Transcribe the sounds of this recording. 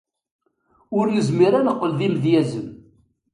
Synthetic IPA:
ʊɾjəzmiɾanəqːəlðimðjæzəm

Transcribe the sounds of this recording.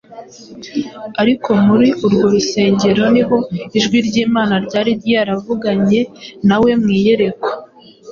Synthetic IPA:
aɾiko̞muɾiuɾɡo̞ɾuse̞ːɲɟe̞ɾo̞niɦo̞iʒɡwiɾɟiːmaːnaɾɟaːɾiɾiaɾavuɡaɲe̞nawe̞mŋiːje̞ɾe̞kwo̥

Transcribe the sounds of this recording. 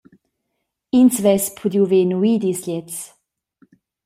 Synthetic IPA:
insvɛspʰud̪juveːnuiːd̪isʎɛt͡s

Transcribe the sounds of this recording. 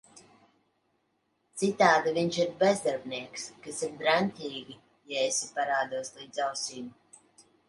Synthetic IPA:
t̪sit̪aːd̪iviɲt͡ʃiɾbɛzd̪aɾbniɛkskasiɾd̪ɾant̪ʲiːɡʲi | jaesʲipaɾaːd̪uɔslˠiːd̪zawsiːmu

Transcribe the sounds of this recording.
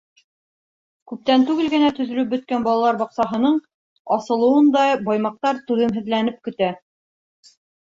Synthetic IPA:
kʉp̚t̪ænt̪ʉɡɘlɡɘ̆næt̪ɵ̆zɵ̆lɘp̚bɵ̆t̪kænbɒɑlˠɑlˠɑɾbɒqsɑɦɤ̆nɤɴ | ɑsɤ̆lˠɤ̆wɤnd̪ɑbɑjmɑq̚t̪ɑɾt̪ʉðɘ̆mɦɘ̆ðlænɘp̚kɵ̆t̪æ

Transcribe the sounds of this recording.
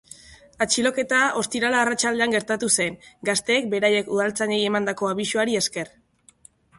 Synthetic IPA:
at͡ʃilo̞ke̞t̪ao̞st̪iɾalaːrat͡ʃald̪e̞aŋɡe̞ɾt̪at̪use̞ŋɡast̪e̞ːk̚be̞ɾaje̞kuð̞alt͡saɲeje̞mand̪ako̞aβiʃuaɾie̞ske̞r

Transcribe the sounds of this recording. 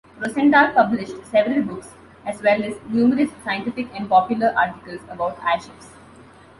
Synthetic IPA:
ɾosɛ̃ɳʈaːpʌblɪʃʈsɛʋɾəlbʊks | æzʋɛlɛznjuːməɾɪssaɪə̃ɳʈɪfɪkɛ̃ɳɖ̚pɔːpjʊləɾʔa̰ːɾʈɪkəlsəbaʊʈæ̰ʃɪps

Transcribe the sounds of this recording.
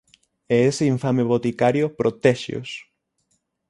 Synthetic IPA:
eeseiɱfameβot̪ikaɾjopɾot̪eʃjo̰s

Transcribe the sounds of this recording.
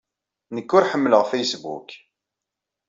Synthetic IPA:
nəkːʊɾħəmːləʁfejsbṵk

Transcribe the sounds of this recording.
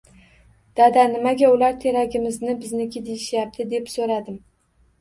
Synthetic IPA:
d̪̥ad̪anɪmaɡʲaʊlaɾt̪ʰe̞ɾaɡʲɪmɪznɪbɪznɪkʲʰɪd̪ejɪʃjap̚t̪ʰɪd̪e̞psoɾad̪ɪm

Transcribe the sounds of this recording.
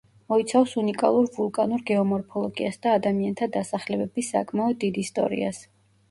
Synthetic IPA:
mɔit̪sʰafsunikʼa̰lˠuɾvulˠkʼanuɾɡɛɔmɔɾpʰɔlˠɔɡiasd̪aːd̪amiant̪ʰad̪asaχlɛbɛbisa̰kʼmaɔd̪ːid̪ist̪ʼɔ̰ɾḭa̰s

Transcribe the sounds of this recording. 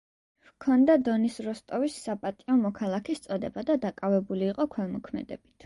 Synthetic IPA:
vkʰɔnd̪ad̪ɔnisɾɔst̪ʼɔvisːapʼat̪ʼiɔmɔkʰalˠakʰist̪sʼɔd̪ɛbad̪ad̪akʼavɛbuliːqʼɔkʰwɛlˠmɔkʰmɛ̰d̪ɛ̰b̥it̪ʰ

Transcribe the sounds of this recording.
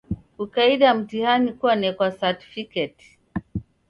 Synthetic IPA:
kukaiɗam̩tihanikuwanɛkwasati̥fikɛt

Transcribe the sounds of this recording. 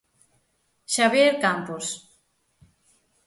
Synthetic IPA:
ʃaβjeɾkampos

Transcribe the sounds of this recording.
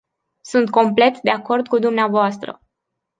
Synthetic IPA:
sunt̪̚ko̞mple̞t̪d̪e̞ako̞rd̪̚kud̪umneavoast̪ɾə̰

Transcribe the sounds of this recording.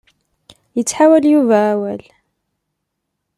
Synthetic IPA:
jət͡sːħawæljuvæʕːwæl

